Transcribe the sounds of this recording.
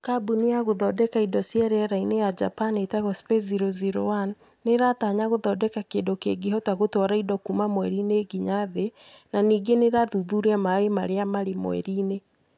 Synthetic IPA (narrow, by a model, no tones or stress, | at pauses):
kabuniaɣoðɔdɛkaidɔsjaɾɛɾainejad͡ʒapanetaɣɔspeziɾoziɾo̰wanː | eɾataɲaɣoðɔdɛkakeːndokḛɡeɦɔtaɣotɔɾaidɔkumamowɛɾineːɡiɲaðenaniːɡeneɾaðuðuɾeamaemaɾeamaɾemw̰ɛ̰ɾine